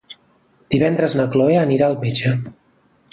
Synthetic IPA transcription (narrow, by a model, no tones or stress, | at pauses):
d̪̥iβɛnd̪ɾəznəkloeəniɾaəlˠmed͡ʒə